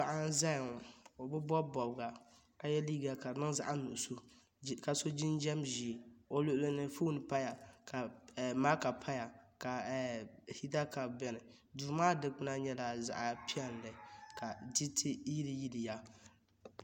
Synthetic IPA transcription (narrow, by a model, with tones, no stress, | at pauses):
ba˨ʔa˦n˦za˦jo˨bʊ˦bɔ˦bɔ˨bɡa˨ | ka˨jɛ˦liː˦ɡa˨ka˨nɨ˦ŋza̰˨ʔa˦nu˨ʔʊ˨so˦ | ka˨so˦d͡ʒi˦nd͡ʒɛ˦mʒi˨o˦lʊ˦ʔʊ˦lɨ˦nɨ˦fuː˦nɨ˨pa˦ja˨ka˨ma˦ka˨pʰa˦ja˨ka˨hi˦ta˦ka˨bɛ˦nɨ˨ | du˨˦maː˦dɨ˦k͡pɨ˦na˦ɲɛ˦la˨za̰˨ʔa˨pʰi˦ɛ˨n˨lɨ˨ka˨d͡ʒi˦tʰi˦ji˦ɾi˦ji˦di˨ja˦